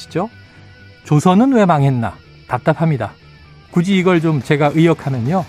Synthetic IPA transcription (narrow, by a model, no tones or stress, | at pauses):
id͡ʑo | t͡ɕosʰʌnɯnwe̞maŋɦe̞nːa̰ | tap̚t͈apʰamɲida | kud͡ʑiːɡʌɭt͡ɕomt͡ɕe̞ɡaʔɯjʌkʰamjʌɲo